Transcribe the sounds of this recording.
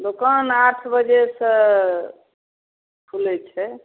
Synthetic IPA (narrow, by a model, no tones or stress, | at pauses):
d̪okənaʈʰbəd͡ʒesə̃ | pʰulɛt͡ʃʰɛ